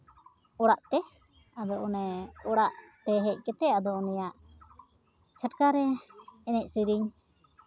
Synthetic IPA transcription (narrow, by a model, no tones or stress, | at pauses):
ɔɽaʔt̪ɛ | ad̪ɔʔɔnɛɔɽaʔt̪ɛɦɛc̚ˀkɛt̪ɛad̪ɔʔɔnɛjaʔ | t͡ʃʰəʈkaɾɛːnɛc̚sujɾiɲ